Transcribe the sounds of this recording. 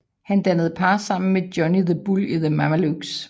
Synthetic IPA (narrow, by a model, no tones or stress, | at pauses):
hænd̥ænð̞̩ˠpʰɑ̈ːsɑ̈m̰n̩med̥jɒniðəb̥uliðəmæmæluɡ̥s